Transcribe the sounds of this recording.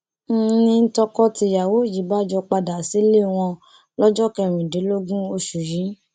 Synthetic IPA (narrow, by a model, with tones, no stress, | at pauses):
n̩˦nĩ˧n̩˦tɔ˧kɔ˦ti˧ja˨wo˨˦˨ji˨˦ba˦˨d͡ʒɔ˧k͡pa˧da˨si˦le˦˨w̃ɔ̃˧ | lɔ˦d͡ʒɔ˦kɛ˧˨ɾ̃ĩ˨de˨˦lo˦ɡũ˦o˧ʃu˨jĩ˨˦